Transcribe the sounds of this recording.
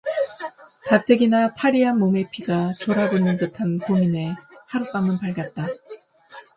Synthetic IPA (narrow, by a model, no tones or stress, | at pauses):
katʰeɡinapʰaɾianmːome̞pʰiɡat͡ɕoɾabonɯnkɯtʰankomine̞haɾup͈amɯnpaɭɡjat̚t͈a